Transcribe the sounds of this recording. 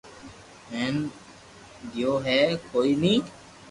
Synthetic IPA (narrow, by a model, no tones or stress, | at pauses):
ɦɛ̃ːn | d̪joːɦɛːkʰoːiːnĩː